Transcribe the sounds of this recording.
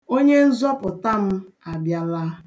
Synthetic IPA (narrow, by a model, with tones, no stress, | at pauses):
o˦ɲe˦n̩˦zɔ˦pʊ˨ta˦m̩˦ | a˨bja˦la˦